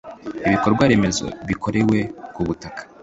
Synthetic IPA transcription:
iβiko̞ɾɡwaɾe̞me̞zo̞̰βikʰo̞ɾe̞we̞kuβutakḁ

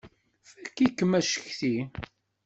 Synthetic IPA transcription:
fækːikːəmæʃə̥çθi

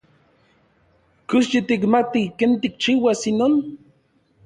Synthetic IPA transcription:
kusjit̪ikmat̪ikent̪ik̚t͡ʃiwasinon

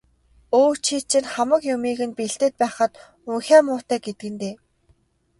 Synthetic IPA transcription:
oːt͡ɕʰiːt͡ɕʰɪ̆nχamə̆kjʊmiːɣɘ̆npiɬt̪ĕt̪̚pæːχə̆t̪ | uŋxʲæːmʊːt̪æːɡet̪̚ɡɘ̆nt̪eː

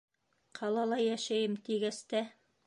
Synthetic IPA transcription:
qʰɑlˠɑlˠɑjæʃæjɘmt̪iɡæst̪æ

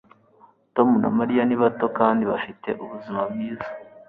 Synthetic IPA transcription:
to̞muna̰maɾijaniβato̞kaːndiβafite̞̰ʔuβuzimabɡiːzḁ

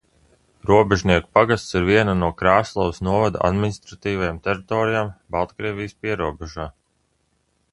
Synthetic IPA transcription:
ɾuɔbɛʒniɛku̥paɡast̪siɾviɛnanuɔkɾaːslˠɔvsnuɔvad̪a̰ʔa̰d̪minist̪ɾat̪iːvajamt̪ɛɾit̪ɔːɾijaːmbalˠt̪kɾiɛːvijspiɛɾuɔbɛʒaː

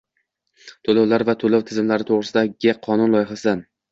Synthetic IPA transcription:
t̪ʰolawlaɾvat̪ʰolawt̪ʰɪzɪmlaɾɪt̪ʰoʁɾɪsɪd̪aɡʲɪqʰɒnʊnlˠɒjɪχasɪd̪an

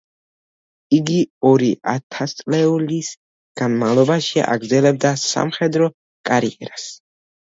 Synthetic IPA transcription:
iɡiɔɾiʔa̰t̪ʰast̪sʼlɛulis | ɡ̥anmavlˠɔbaʃia̰ɡɾd̪zɛlɛb̚d̪asa̰mχɛd̪ɾɔ | kʼaɾiɛɾas

